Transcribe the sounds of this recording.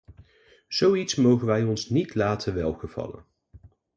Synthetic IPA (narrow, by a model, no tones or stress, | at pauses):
z̥owitsmowχənʋɛjɔnsnitlaːtʰənʋɛlˠχəv̥ɑ̰lə̰n